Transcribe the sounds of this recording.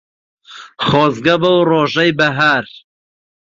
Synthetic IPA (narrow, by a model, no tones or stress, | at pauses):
χɔːzɡɐbɐwroːʒɛjbɐɦaɾ